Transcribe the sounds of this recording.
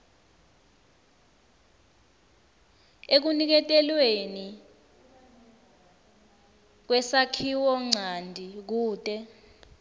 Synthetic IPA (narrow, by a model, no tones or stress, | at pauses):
ek̬unik̬ɛtʼɛlweni | k̬wɛsakʰiwɔŋ͡ǀʱandʱik̬uːtʼɛ